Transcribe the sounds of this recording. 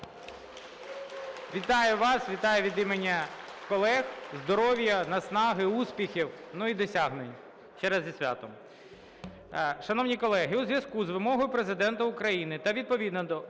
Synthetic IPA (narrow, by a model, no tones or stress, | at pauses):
ʋʲit̪ɑjʊʋɑsʋʲit̪ɑjʊʋʲid̪imenʲːɐkɔlˠɛxzd̪ɔɾɔʋʲjɐnɐsnɑɦɪuspʲixʲiwnuid̪ɔsʲaɦnenʲ | t͡ʃɛɾɛzʲɐsʲʋʲa̰t̪ɔm | ʃɐnɔwnʲikɔlˠɛɦɪuzʋjɐskuzʋɪmɔɦɔjʊpɾezɪd̪ɛnt̪ɐʊkɾɐjinɪt̪ɐʋʲid̪̚pɔʋʲid̪nɔɔ